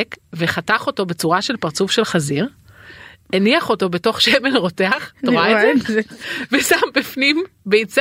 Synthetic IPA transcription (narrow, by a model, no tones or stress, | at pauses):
kveχataχo̞to̞be̞t͡suʁaʃe̞lpaʁt͡sufʃe̞lχaziʁ | eniaχo̞to̞be̞to̞χʃemelʁo̞teaχttoʁate | vesambifnimbeit͡s